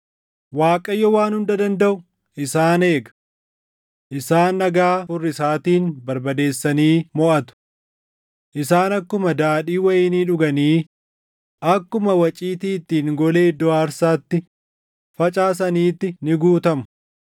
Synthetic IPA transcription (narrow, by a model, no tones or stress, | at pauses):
waːkʼɐjːɔwaːnhʊnd̪ɐd̪ɐnd̪ɐʔʊ | ʔɪsaːne̞ːɡɐ̥ | ʔɪsaːnːɐɡaːfʊrːɪsaːt̪iːnbɐɾbɐd̪e̞ːsːɐniːmɔʔɐt̪ʊ̥ | ʔɪsaːnɐkːʊmɐd̪aːᶑiːwɐjɪːniːᶑʊɡɐniː | ʔɐkːʊmɐwɐt͡ʃʼiːt̪iːt̪ːiːŋɡɔle̞ːd̪ɔaːɾsaːt̪ːɪ | fɐt͡ʃʼaːs̬ɐniːt̪ːɪnɪɡuːt̪ɐmʊ̥